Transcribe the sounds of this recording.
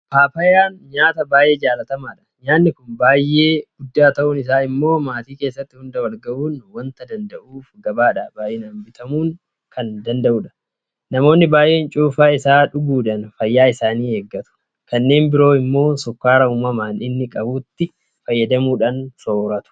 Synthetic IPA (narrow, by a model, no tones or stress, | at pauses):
paːpɐjaːnɲaːt̪ɐbaːjʔe̞ːd͡ʒaːlɐt̪ɐmaːᶑɐ̥ɲaːnːɪkʊnbaːjːʔe̞ːɡ̥ʊd̪ːaːt̪ɐʔʊnɪs̬aːɪmːo̞ːmaːt̪iːkeːsːɐt̪ːɪhʊnd̪ɐwɐlɡɐʔuːnwɐnt̪ɐd̪ɐnd̪ɐʔuːfɡɐbaːᶑɐbaːjʔɛnaːnbɪt̪ɐmuːŋ | kʰɐnd̪ɐnd̪ɐʔʊːᶑɐ̥ | nɐmo̞ːnːɪbaːjʔe̞ːnt͡ʃʼuːfaːɪsaːᶑʊɡuːᶑɐnfɐjːaːɪsaːniːhɛɡːɐt̪ʊ̥ | kɐnːe̞ːnbɪɾo̞ːɪmːo̞ːsʊkːaːɾɐuːmɐmaːnɪnːɪkʼɐbuːt̪ːɪ | fɐjːɐd̪ɐmuːᶑɐnso̞ːɾɐt̪ʊ̥